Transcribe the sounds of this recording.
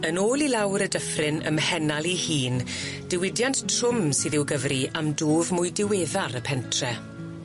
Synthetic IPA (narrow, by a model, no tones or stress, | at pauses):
ənoːlˠilawɾədəfrɪnə̰mhɛnalˠihiːnd̥ɪwɪdjanttʰr̥ʊmsɨːðɪwɡəvriamdoːvmʊjdɪweːðaɾəpʰɛntʰrɛ